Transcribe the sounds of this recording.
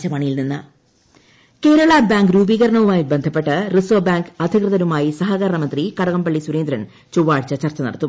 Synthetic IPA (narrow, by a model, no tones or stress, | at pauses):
t͡ɕɐmɐɳijilninːɨ̰ | ke̞ːɾɐɭɐbaːŋɡɾuːbiːɣɐɾɐɳɐʋumaːjibe̞nd̪ʱɐpːe̞ʈːɨrisoːbaːŋɡɐd̪ʱikrɨðɐnumaːjisɐɦaɣɐɾɳɐmɐnd̪rikɐɽɐɣɐmbɐɭːisuɾeːnd̪ɾɐɳ | t͡ɕuʋaːɽt͡ɕːɐt͡ɕɐrt͡ɕɐnɐ̰ɽɐt̪ːum